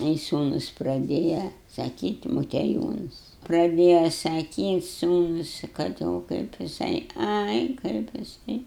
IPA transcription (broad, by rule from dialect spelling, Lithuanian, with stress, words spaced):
ˈɐɪ ˈsuːnʊs prɐˈdʲeːjɛ sɐˈkʲiːtʲɪ moːtʲiɛˈjuːnɐs prɐˈdʲeːjɛ sɐˈkʲiːtʲ ˈsuːnʊs kɐt ˈoː kɐɪp jɪˈsɐɪ ˈɐɪ kɐɪp jɪˈsɐɪ